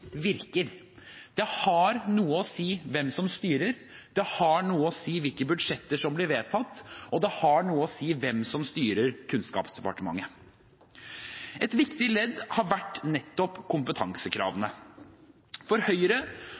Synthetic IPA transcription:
ʋɪɾkəɾ | d̪̥ɛhɑɾnuːəɔsiːʋɛmsɔmst̪yːɾəɾ | d̪ɛhɑnuːəɔsiːʋɪlkəbʉd̪ʂɛt̪ːəʂɔmblɪɾʋeːt̪ʰɑt̪ːɔd̪ɛhɑɳuːəɔsiːʋɛmsɔmst̪yːɾəɾkʰʉnskɑ̰ːpsd̪ɛpɑ̰ʈəmɑ̰ŋːə | ɛt̪ʋɪkt̪ɪlɛd̪hɑɾʋæʈːnɛt̪ːɔpkʰʊmpət̪ʰɑŋsəkʰɾɑ̰ːʋənə | fɔɾhœʏɾə

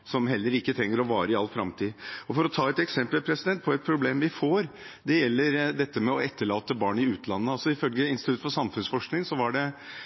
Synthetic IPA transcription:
sɔmɦɛlːəɾɪkːət̪ʰɾɛŋːəɾɔʋɑːɾəɪɑlːfɾɑ̰mt̪ʰiːɔfɔɾɔt̪ʰɑːɛt̪ɛksɛmpəlpʰɾɛsɪd̪ɛnt̪̚pʰɔɛt̪̚pʰɾʊbleːmʋɪfoːɾ | d̪ɛjɛlːəɾd̪ɛt̪ːəmɛɔɛt̪ːəɭɑːt̪əbɑːɳɪʉːt̪ʰlɑnːəɑlsɔɪfœlɡəɪnst̪ʉt̪fɔʂɑmfʉnsfɔʂknɪŋsɔʋɑɖɛ

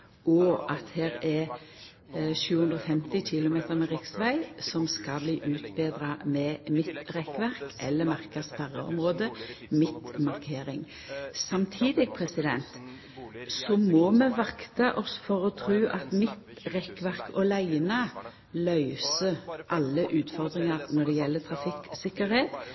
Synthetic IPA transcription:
ʔɔʔɑt̪heːɾɛ | ʃʉːʉnd̪ʁɔfɛmt̪ɪçɪlʊmeːt̪əɾmɛʁɪksʋæɪsɔmskɑbliːʔʉːt̪beːd̪ɾɑmɛmɪt̪ʁɛkʋæʁkʔɛ̰lːəmɑʁkəspæʁə̰ɔ̰mʁoːd̪əmɪt̪mɑʁkʰeːɾɪŋ | sɑmt̪ʰiːd̪ɪɡpʰʁɛsɪd̪ɛ̰nt̪ | sɔmɔmɛʋɑkt̪ɑʔɔsfɔɾɔt̪ʰɾʉːʔɑt̪mɪt̪ | ʁɛkːʋæʁkɔlæɪnɑ | lœʏsəʔɑlːəʔʉːt̪fɔʁd̪ʁɪŋɑʁnɔɖ̪ɛjɛlːət̪ʰʁɑfɪksɪkːəɾheːt̪

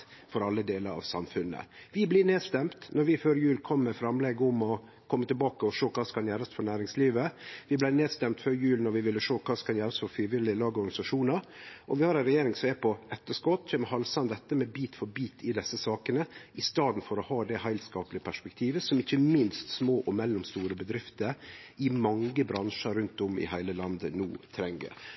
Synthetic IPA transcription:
fɔɾɑlːəd̪eːləɾɑ̰ʋsɑ̰mfʉnːə̰ʋɪblɪːneːd̪st̪ɛmt̪nɔɾʋɪføːɾəjʉːlkʰɔmːɛfɾɑmleːɡəʊmɔ | kʰɔmːət̪ɪlbɑːkəɔʂoːkʰɑːskɑnjæːɾəsfɔnæːɾɪŋsliːʋəʋɪblæɪneːd̪st̪ɛmt̪føːɾəjʉːlnɔɾʋɪʋɪlːəʂoːkʰɑːskʰɑnjæːɾɑsfɔɾfɾiːʋɪlɪlɑːɡəɔɾɡɑnɪsɑʂuːnəɾɔʋɪhɑɾɛɪnɾɛjeːɾɪŋsɔmɛpʰɔɛt̪ːəʂkɔt̪ːʰɛməhɦɑlsɑnd̪ɛt̪ːəmɛbiːt̪fɔɾbiːt̪ʰɪd̪ɛsːəsɑːkənəʔɪst̪ɑːd̪n̩fɔɾɔhɑːd̪ɛhæɪlskɑːpəlɪəpʰæʂpɛk̚t̪ʰiːʋəsɔmɪçːəmɪnst̪smoːʔɔmɛlːʊmst̪uːɾəbəd̪ɾɪft̪əɾɪmɑŋɡəbɾɑnʂəɾʉnt̪ɔmɪ̰hæɪləlɑnd̪ənuːt̪ʰɾɛŋɡə̰ɾ

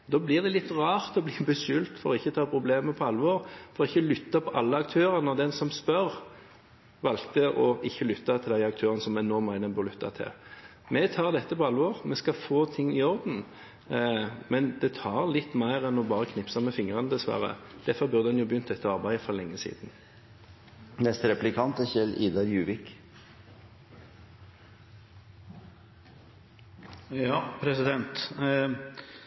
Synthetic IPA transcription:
d̪ɔːblɪːʁd̪ɛlɪt̪ːʁɑːɾt̪ɔbliːbəʃʉlt̪fɔɾɔɪçːət̪ʰɑːpʰɾʊbleːməpʰɔɑlːʋɔʁfɔɾɔɪçːəlʏt̪ːɑpʰɔʔɑlːəɑk̚t̪ʰøːʁənɔd̪ɛnsɔmspœɾ | ʋɑlkt̪əɔɪçːəlʏt̪ːɑt̪ʰɪld̪æɪɑk̚t̪ʰøːʁənəsɔmɛnɔːmæɪd̪ənbʉʁlʏt̪ːɑ̰t̪ʰɪ̰l | mɛt̪ʰɑːʁd̪ɛt̪ːəpɔɑlʋɔʁmɛskɑfoːt̪ʰɪŋːɪɔʁd̪n̩ | mɛnd̪ɛt̪ʰɑːʁlɪt̪ːmæɪʁɛnɔbɑːʁəkʰnɪpsəmɛfɪŋʁɑnəd̪ɛsʋæ̰ʁə̰d̪̥æfɔʁbʉʁd̪əɑnjʊbjʏnt̪d̪ɛt̪ːəɑʁbæɪfɔʁlɛŋːəsḭːd̪n̩ | nɛst̪ɾɛplɪkʰɑnt̪əçɛliːd̪ɑɾjʉːʋɪk | pʰɾɛsɪd̪ɛnt̪

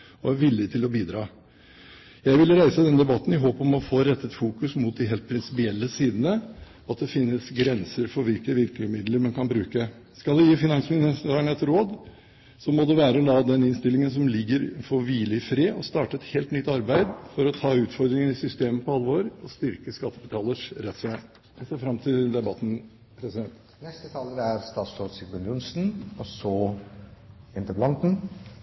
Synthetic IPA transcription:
ɔæɾʋɪlːɪt̪ʰɪlɔbiːd̪ɾɑː | jæɪʋɪləɾæɪsəd̪ɛnəd̪ɛbɑt̪ːn̩ɪɦoːpɔmɔfoːɾɛt̪ːət̪fuːkʉsmʊt̪̚d̪ɪɦeːlt̪̚pʰɾɪnsɪpɪɛlːəsiːd̪ənə | ɔɑt̪̚d̪ɛfɪnːəsɡɾɛnsəɾfɔɾʋɪlkəəʋɪlk̪əmɪd̪ləɾmɛnkʰɑnbɾʉːkə | skɑld̪ɛjiːfɪnɑŋsmɪnɪæːnɛt̪ːɾoːd̪ | sɔmɔd̪ɛʋæːɾəɔlɑːd̪ɛnːɪnst̪ɪlːɪŋəns̬ɔmlɪɡːəɾfɔʋiːlɪfɾeːʔɔst̪ɑːʈəɛt̪heːlt̪nʏt̪ːɑɾbæɪd̪fɔɾɔt̪ʰɑːʉːt̪fɔɾd̪ɾɪŋənɪsʏst̪eːməpɔɑlʋoːɾɔst̪ɪɾkəskɑt̪ʰːəbət̪ʰɑːləʂɾɛt̪sæɪ | ɛseːɾfɾɑmt̪ʰɪld̪ɛbɑt̪ːn̩ | pʰɾɛsɪd̪ɛnt̪ | nɛst̪ət̪ʰɑːləɾæɾst̪ɑːt̪sɾoːd̪sɪkʋɛnʊnsn̩ɔsɔ | ɪnt̪əblɑnt̪n̩

